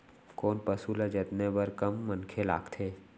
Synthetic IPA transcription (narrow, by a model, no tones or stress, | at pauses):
koːnpəsulad͡ʒɐt̪nebəɾkəmːə̃nkʰela̰ːɡt̪ʰeː